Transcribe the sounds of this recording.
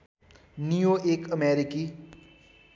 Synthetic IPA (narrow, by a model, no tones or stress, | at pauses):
nijoekəmeɾiki